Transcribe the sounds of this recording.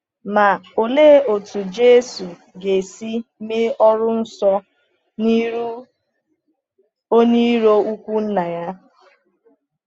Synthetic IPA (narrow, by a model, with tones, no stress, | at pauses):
ma˨o˨leː˦o˨tu˨d͡ʒe˦su˨ | ɡe˨si˦me˦ɔ˦ɾʊ˦n̩˦sɔ˦ | ni˦ɾu˦ | o˦ni˦ɾo˦u˦kʷu˦n̩˦na˨ja˦